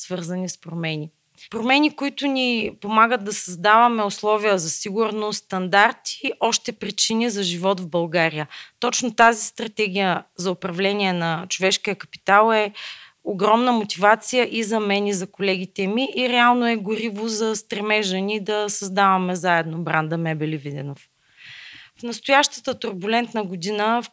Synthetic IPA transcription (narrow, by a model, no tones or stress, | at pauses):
svɤɾzənispɾomɛnʲi | pɾomɛnikʊit̪ʊnipomaɡəd̪̚d̪ɐsɐzd̪avɐmɛoslˠɔvijəzɐsiɡʊɾnost̪ɐnd̪aɾt̪i̥ːʔɔʃt̪ɛpɾit͡ʃinizɐʒivɔt̪vbɐlˠɡaɾijət̪ɔt͡ʃnot̪azist̪ɾɐt̪ɛɡ̟ijəzɐʊpɾɐvlɛniɛnɐt͡ʃovɛʃkiəkɐ̥pi̥t̪alˠɛ | oɡɾɔmnəmot̪ivat̪sijəʔizɐmɛnizɐkolɛɡ̟it̪ɛmiʔːɾɛalˠnoɛɡʊɾivozɐst̪ɾɛmɛʒənid̪ɐsɐzd̪avɐmɛzaɛd̪nobɾand̪əmɛbɛlivid̪ɛ̰nof | fnɐst̪ʊjaʃt̪ə̥t̪ət̪ʊɾbulɛnt̪nəɡʊd̪inə